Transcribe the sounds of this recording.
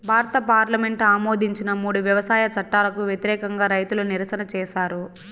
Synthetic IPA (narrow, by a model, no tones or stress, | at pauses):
bʱaːɾɐt̪ɐpaːɾlɐme̞ɳʈaːmo̞ːd̪iɲt͡ʃinɐmuːɽuʋjɐʋɐsaːjɐt͡ʃɐʈːaːlɐkuʋjet̪iɾɛːkɐŋɡaːɾɐjt̪uluniɾɐsɐnɐt͡ʃɛːʃaːɾu